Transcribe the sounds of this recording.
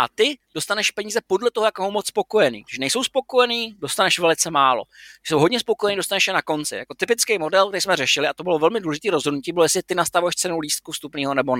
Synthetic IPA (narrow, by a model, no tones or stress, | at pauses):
ʔa̰t̪ɪd̥ost̪anɛʃpɛɲiːzɛpo̞dlɛt̪oɦojakoɦomot͡sspo̞ko̞jɛnḭːʒɛnɛjso̞wspo̞ko̞jɛniːdo̞st̪anɛʃvɛlɪt͡sɛmaːlo̞̰ɪsowɦodɲɛspo̞kojɛniːdo̞st̪anɛʃjɛnako̞nt͡sɪ̰ja̰ko̞t̪ɪpɪt͡skejmo̞dɛlk̪̚ɛɾijsmɛrɛʃɪlɪʔat̪obɪlo̞vɛlmɪduːlɛʒɪt̪iːɾozɦo̞dnuciːbɪlojɛslɪt̪ɪnast̪avujɛʃt͡sɛnuliːst̪̚kust̪upniːɦo̞nɛbo